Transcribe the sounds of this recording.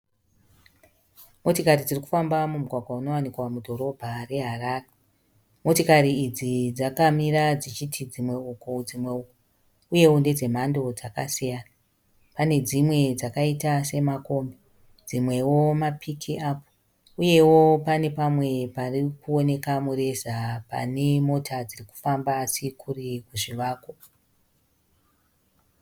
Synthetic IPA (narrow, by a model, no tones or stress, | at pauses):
mo̞tikarid͡ziriku̥fambamumuɡʱwaɡʱwauno̞wanikwamudʱo̞ɾo̞bʱare̞ɦaraːre | mo̞tikaɾiːd͡zid͡zakamiɾad͡zit͡ʃitʰid͡zimwe̞ukod͡zimwe̞uko | uje̞wonde̞d͡ze̞m̤ando̞d͡zaka̰sijaːna | pane̞d͡zimwe̞d͡zakaitase̞mako̞ːmbe | d͡zimwe̞wo̞mapʰikʰiaːpo̥ | uje̞wo̞pane̞pamwe̞parikuone̞kamure̞zapa̰ne̞mo̞tʰad͡ziriku̥fambasikʰurikuʐiʋaːko